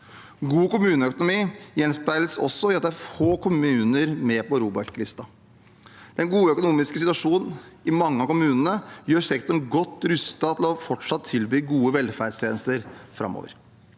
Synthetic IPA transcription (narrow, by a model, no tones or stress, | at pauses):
ɡuːkʊmʉːnəœkʊnʊmiːjɛnspæɪləsɔ̰sːɔɪɑt̪d̪æɾfoːkʰʊmʉːnəɾmeːpɔɾuːbɑklɪst̪ɑ | d̪̥ɛnɡuːəœkʊnuːmɪskəsɪt̪ʉʋɑʂuːnn̩ɪmɑŋːəɑkʊmʉːnənəjøːʂɛkt̪ɔnɡɔt̪ːɾʉst̪ɑt̪ʰl̩ɔfɔʈʂɑt̪ʰːɪlbyːɡuːəʋɛlfæːɖst̪ʰjeːnəst̪əɾfɾɑ̰mːo̰ːʋə̰ɾ